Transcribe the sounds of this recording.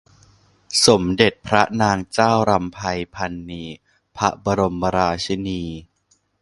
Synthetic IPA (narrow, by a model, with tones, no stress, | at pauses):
so˩˦mde˨˩t̪̚pʰɾa˦˥naː˧ŋt͡ɕaː˥˩wɾa˧mpʰa˧jpʰa˧nːiː˧ | pʰa˦˥ba˧ɾo˧mba˧ɾaː˧t͡ɕʰi˧˥niː˧